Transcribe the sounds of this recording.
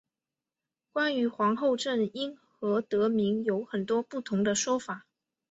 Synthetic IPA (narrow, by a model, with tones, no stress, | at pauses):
kwa˥ny˧˥xwɑ˧˥ŋxo˥˧ʊʈ͡ʂə˥˩ni˥nxɤ˧˥t̪ɤ˧˥mi˧˥ŋjo˧˥ʊxə˨˩nt̪wɔ˥pu˥˩t̪ʰʊ˧˥ŋd̪ə˧ʂwɔ˥fa˨˩˦